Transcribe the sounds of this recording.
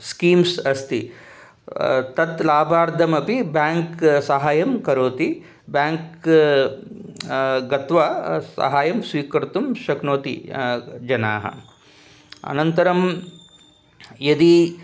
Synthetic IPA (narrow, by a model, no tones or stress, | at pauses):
skiːmsɐst̪i | t̪ɐt̪laːbʱaːɾd̪ʱɐmɐpibaːŋksɐɦaːjɐmkɐɾoːt̪i | bjaːŋk | ɡɐt̪ʋɐsɐ̰ɦaːjɐmsʋiːkɐɾt̪umʃɐknoːt̪ḭd͡ʒɐna̰ːɦɐ̰ | ɐ̰nɐnt̪ɐɾɐm | jɐd̪i